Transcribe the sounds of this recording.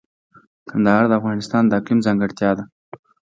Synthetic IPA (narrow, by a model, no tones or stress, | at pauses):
kʰand̪ahɑɾd̪əafɣɑnɪst̪ɑnd̪əaqlimzɑŋɡəɽt̪jɑd̪a